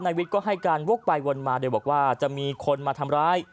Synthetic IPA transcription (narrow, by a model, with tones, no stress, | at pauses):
naː˧wi˦˥t̪̚kɔː˥˩ɦa˥˩jkaː˧nwu˥˩ək̚pa˧jwo˧nmaː˧doː˧jbɔː˨˩k̚waː˥˩t͡ɕa˨˩ʔmiː˧kʰo˧nmaː˧t̪ʰa˧mɾaː˦˥j